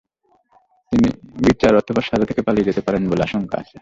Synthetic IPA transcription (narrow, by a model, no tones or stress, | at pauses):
t̪inḭbit͡ɕaɾɔt̪ʰobaɾʃaɾat̪ʰe̥kepalied͡ʑet̪epaɾenboleaʃoŋka̰a̰t͡ɕʰe